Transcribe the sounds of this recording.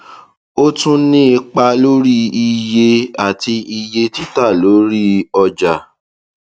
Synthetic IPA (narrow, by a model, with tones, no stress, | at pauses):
o˦tũ˦nĩ˦i˧k͡pa˧lo˦ɾi˦i˧je˧a˨ti˧i˧je˧ti˦ta˦˨lo˨˦ɾi˦ɔ˧d͡ʒa˨